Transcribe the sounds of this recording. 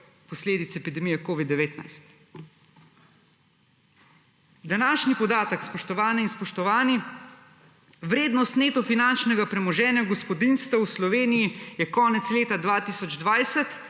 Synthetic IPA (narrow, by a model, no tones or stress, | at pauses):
pɔsleːd̪it̪sɛpid̪ɛmijɛkoːʋid̪ːɛʋeːt̪na̰jst̪ | d̪anaːʃnipɔd̪aːt̪əkspɔʃt̪ɔʋaːniinspɔʃt̪ɔʋaːni | ʋɾeːd̪nɔst̪neːt̪ɔfinant͡ʃnɛɡapɾɛmɔʒɛːnjaɡɔspɔd̪inst̪ʋawslɔʋeːnijijɛkɔːnɛt̪sleːt̪ad̪ʋaːt̪isɔd͡ʒd̪ʋajsɛt̪